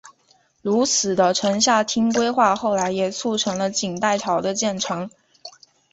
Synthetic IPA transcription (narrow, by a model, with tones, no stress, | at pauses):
lu˧˥t͡sʰɹ̩˨˩d̪ə˦ʈ͡ʂʰɤ˧˥ŋɕ̬ja˥˩t̪ʰi˥ŋkwe˥ɪxwa˥˧xo˥˩ʊla˧˥ɪjɛ˨˩t͡sʰu˥˩ʈ͡ʂʰɤ˧˥ŋlə˧t͡ɕi˨˩ŋt̪a˥˩ɪt̪ʰɑ˨˩ʊd̪ə˧t͡ɕjɛ˥˩nʈ͡ʂʰɤ˧˥ŋ